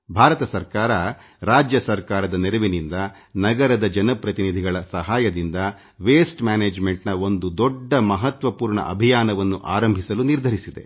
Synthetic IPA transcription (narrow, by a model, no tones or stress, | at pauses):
bʱaːɾɐt̪ɐsɐɾkaːɾɐ | ɾaːd͡ʒjɐsɐɾkaːɾɐd̪ɐneɾɐʋinind̪ɐ | nɐɡɐɾɐd̪ɐd͡ʒɐnɐpɾɐt̪inid̪ʱiɡɐɭɐsɐɦaːjɐd̪ind̪ɐ | ʋeːsʈmaːneːd͡ʒme̞ɳʈnɐo̞nd̪ud̪ɔɖːɐmɐɦɐt̪ʋɐpuːɾɳɐ̰ʔɐ̰bʱijaːnɐʋɐnːuʔaːɾɐmbʱisɐluniɾd̪ʱɐɾisid̪e̞̰